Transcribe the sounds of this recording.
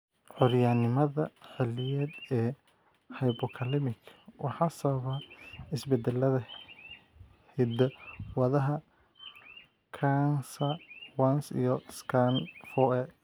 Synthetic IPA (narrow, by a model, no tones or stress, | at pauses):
ʕʊɾjanɪmɐðɐħɛlɪjɛːd̪ɛː | hɐjbɔkʰɐlɪmɪkʰwʔɑħɑsɐβaɪsbɛd̪ɛlɐðɐ | hɪd̪ɛwɐðɐɦɐ | kʰansɐwɐnsḭjɔskʰanfɔɛ